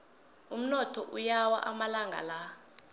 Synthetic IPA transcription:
um̩nɔtʰɔʔujawa̰ʔamalaŋɡʱa̰la

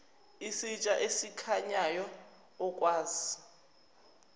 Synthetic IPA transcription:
isit͡ʃʼaʔesikʰaɲajɔː | kʼwaːzi

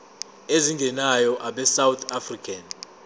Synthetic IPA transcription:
eziŋɡʱɛnajɔʔaɓɛsawt̪ʰafrikʰan

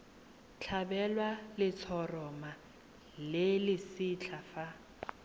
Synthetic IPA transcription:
t͡ɬʰabɛlwalɪt͡sʰɔrɔma | lɪlɪsit͡ɬʰafa

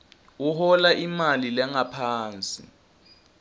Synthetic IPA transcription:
uhɔlaʔimalilɛŋapʰaːnt͡sʼi

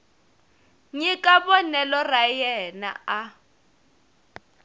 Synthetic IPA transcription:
ɲikʼaβɔnɛlɔrajɛna̰a

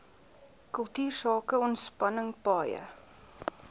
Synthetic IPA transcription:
kəlˠtyːrsɑːkəɔntspɐnəŋpɑːjə̰

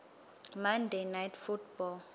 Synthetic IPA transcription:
mandenajtʰfutʰbɔl

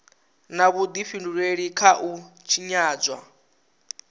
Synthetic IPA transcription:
naβud̪iɸinduɺweɺikʰaʔut͡ʃʰiɲaːd͡zwa̰

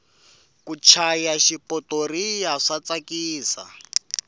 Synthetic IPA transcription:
kut͡ʃʰajaʃipʼɔtoɾijaʂat͡sakiːsa̰

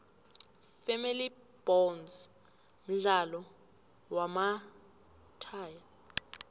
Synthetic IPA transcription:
femili | b̥ɔnz | m̩ɮalɔ | wama | tʰaːja

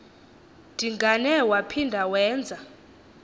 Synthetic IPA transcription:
d̥ʱiŋɡanɛwapʰindʱawɛːnd͡zʱa

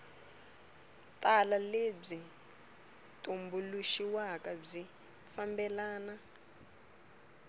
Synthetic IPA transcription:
tʼalaleb͡ʐi | tʼumbuluʃiwakab͡ʐi | fambɛlaːna

